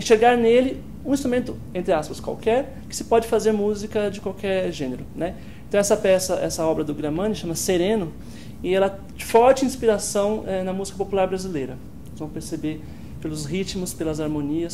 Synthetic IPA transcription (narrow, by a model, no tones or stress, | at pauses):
ẽʃeɾɡaɾnelɪ | ũĩst̪ɾumẽnt̪ʊ | ẽnt̪ɾɪaspɐskwa̰wkɛɾ | kɪ̥sɪ̥pɔd͡ʒɪfazeɾmuzikɐd͡ʒɪkwawkɛɾʒẽneɾʊnɛ | ẽt̪ɐ̃w̃ɛsɐpɛsɐʔɛsɐɔbɾɐd̪ʊɡɾɐ̃mɐ̃nɪʃɐ̃mɐseɾẽnʊ | ɪɛlɐ | fɔɾt͡ʃɪĩspiɾasɐ̃w̃ɛnɐmuzikɐpopulaɾbɾazilejɾɐ | zvɐ̃w̃peɾsebeɾ | pelʊzhit͡ʃmʊspelɐzaɾmõniɐs